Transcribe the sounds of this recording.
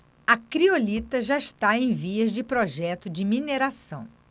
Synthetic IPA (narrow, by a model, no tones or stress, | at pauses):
ɐkɾiolit̪ɐʒaɪʃt̪aẽj̃viɐzd͡ʒɪpɾɔʒɛt̪ʊd͡ʒɪmineɾasɐ̰̃w̃